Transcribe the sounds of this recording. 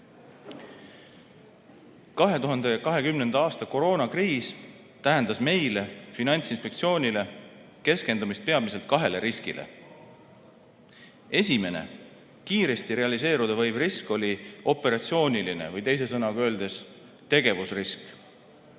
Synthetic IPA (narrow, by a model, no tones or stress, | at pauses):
kɑɦe̞t̪uɦɑnd̪e̞kɑɦe̞kymnend̪̥ɑɑːst̪ɑko̞ɾo̞ːnɑkriːs | t̪æɦe̞nd̪ɑsme̞jle̞finɑnʲt̪sinspe̞k̚t̪sio̞ːnʲile̞ke̞ske̞nd̪umist̪̚pe̞ɑmise̞lt̪̚kɑɦe̞le̞ɾiskḭlʔḛ | e̞sʲime̞nḛ | kiːɾe̞st̪iɾe̞ɑlise̞ːɾud̪̥evɤjvrisko̞lʲio̞pːˑe̞ɾɑt̪sio̞ːnʲiline̞̰vɯjt̪e̞js̬e̞sɤnɑɡø̞ːld̪e̞s | t̪e̞ɡ̥e̞vusrisk